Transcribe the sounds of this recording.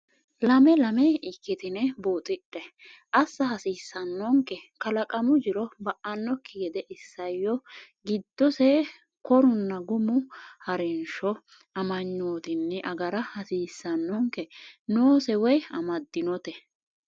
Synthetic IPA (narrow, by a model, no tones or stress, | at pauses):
lɐmɛlɐmɛɪkːɪt̪ɪnɛboːt̪ʼɪɗːɛ | ʔɐsːɐhɐsiːsːɐnːɔŋkːɛkɐlɐkʼɐmʊd͡ʒɪɾɔbɐʔɐnːɔkʰːɪɡɛd̪ɛʔɪsːɐjːɔ | ɡɪd̪ːɔsɛ | kɔɾʊnːɐɡʊmʊhɐɾɛnʃɔ | ɐmɐɲːoːt̪ɪnːɪʔɐɡɐɾɐhɐsiːsːɐnːɔŋkɛnoːsɛwɔjɐmɐd̪ːɪnɔt̪ɛ